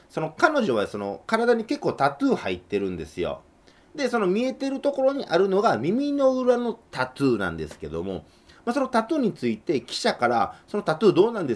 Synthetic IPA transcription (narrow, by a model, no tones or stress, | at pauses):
so̞no̞kano̞ʑo̞βaso̞no̞̰kaɾad̪aɲ̟ike̞kːo̞ːt̪at̪ɨːhait̪ːe̞ɾɯ̟̃nd̪esɨjo̰ | d̪e̞so̞no̞mʲie̞t̪e̞ɾɯ̟t̪o̞ko̞ɾo̞ɲ̟iʔaɾɯ̟no̞ɡamʲimʲino̞ɯ̟ɾano̞t̪at͡sɨːnã̰nd̪e̞sɨ̥ke̞d̪o̞̰mo̞̰ | maso̞no̞t̪atɨːɲ̟it͡sɨit̪e̞kʲi̥ɕakaɾa̰so̞no̞t̪atɨːd̪o̞ːnãnd̪e